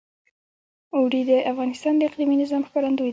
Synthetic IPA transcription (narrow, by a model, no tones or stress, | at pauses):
owɾid̪əʔafɣɑnɪst̪ɑnd̪əɪqliminɪzɑmxpaɾand̪oj